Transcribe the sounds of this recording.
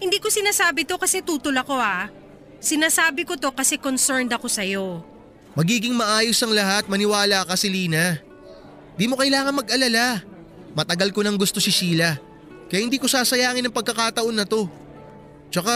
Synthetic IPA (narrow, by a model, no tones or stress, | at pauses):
hɪnd̪iːko̞sɪnaːsaːbɪt̪o̞kɐsɛt̪uːt̪olɐko̞a | sɪnaːsaːbɪko̞t̪o̞kɐsɛkonsɛɹnd̪ɐko̞sɐjo̞ | mɐɡiːɡɪŋmɐʔaːjo̞sɐŋlɐɦat̪̚mɐnɪwaːlakɐsɪliːnɐ | ɪnd̪iːmo̞kɐjlaːŋɐnmɐɡʔɐlɐla | mɐt̪ɐɡalko̞nɐŋɡʊst̪o̞sɪʃiːlɐ | kɐjahɪnd̪iːkosaːsɐjaːŋɪnɐŋpɐɡ̚kːɐkaːt̪ɐʔo̞nːɐt̪o̞ | t͡ʃɐka